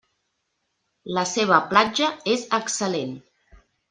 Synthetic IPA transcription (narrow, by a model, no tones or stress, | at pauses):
ləseβ̞əplad͡ʒəezəksəlen